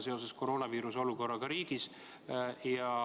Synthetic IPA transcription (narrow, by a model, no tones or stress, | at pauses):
se̞o̞s̬e̞sko̞ɾo̞ːnɑviːɾuso̞luko̞rːɑɡ̥ɑɾiːɡ̥is | jɑ